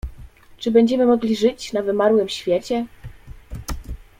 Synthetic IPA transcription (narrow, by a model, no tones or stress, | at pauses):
t͡ʂɘbɛɲd͡ʑɛmɘmɔɡlʲiʐɘt͡ɕnavɘmaɾwɘmɕfʲjet͡ɕɛ